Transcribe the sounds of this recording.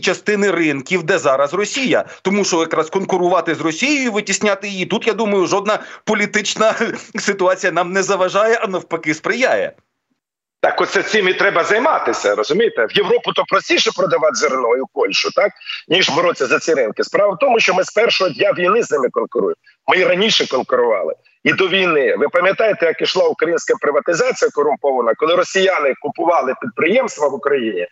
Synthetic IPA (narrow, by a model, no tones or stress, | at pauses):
t͡ʃɐst̪ɪnɪrɪnkʲiwd̪ɛzɑɾɐzrɔsʲijɐ̰t̪ɔmuʃt͡ʃɔjɐkɾɑskɔnkʊɾʊʋɑt̪ɪzrɔsʲijʊjiʋɪtʲisʲnʲat̪ɪjijit̪ut̪jad̪umɐjʊʒɔd̪̚nɐpɔlʲit̪ɪt͡ʃnɐsɪt̪ʊɑt͡sʲijɐnɑmnɛzɐʋɐʒɑjɛʔɐnɔwpɐkɪspɾɪjajɛ̰ | t̪ɑkɔt̪sɛsʲɪmit̪ɾɛbɐzɐjmɑt̪ɪsʲɐɾɔzʊmʲijet̪ewjewɾɔpʊt̪ɔpɾɔsʲtʲiʃɛpɾɔd̪ɐʋɑt̪ʲzɪrnɔjʊpɔlʲʃʊt̪ɑk̚nʲiʒbɔɾɔt͡sʲːɐzɐt͡sʲiɾɪnkɪspɾɑʋɐwt̪ɔmʊʃt͡ʃɔmɪspɛrʃɔɦɔd̪ʲnʲaʋʲijnɪznɪmɪkɔnkʊɾṵjʊm | mɪɾɐnʲiʃɛkɔnkʊɾʊʋɑ̰lˠɪ̰ | id̪ɔʋʲijnɪʋɪpɐmʲjɐt̪ɑjet̪ɛjɐkiʃlˠɑʊkɾɐjinʲsʲkɐpɾɪʋɐt̪ɪzɑt͡sʲijɐkɔɾʊmpɔʋɐnɐkɔlˠɪɾɔsʲijanɪkʊpʊʋɑlˠɪpʲid̪̚pɾɪjɛmst̪ʋɐʋʊkɾɐjinʲi